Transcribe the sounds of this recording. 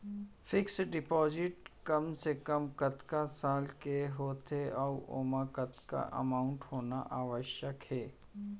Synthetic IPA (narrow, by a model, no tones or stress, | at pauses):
fɪksɖɪpɔːzɪʈkɐmsekəmkət̪kasaːlkeɦoːt̪ʰeɔːo̰ːmakət̪ka̰ʔə̰maːʊ̃ɳʈhoːnaʔaːʋəʃjəkhɛː